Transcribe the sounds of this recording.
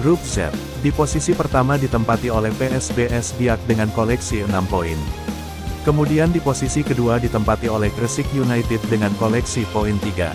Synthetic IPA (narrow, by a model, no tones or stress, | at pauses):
rup̚zɛ̰p̚ | diposisipərt̪amadit̪əmpat̪iolɛhpeɛsbeʔɛsbiak̚dəŋankolɛksiənampoin | kəmudiandiposisikəduadit̪əmpat̪iolɛhɡɾəsɪkjunajt̪ɪt̚dəŋankolɛksipoint̪iɡa̰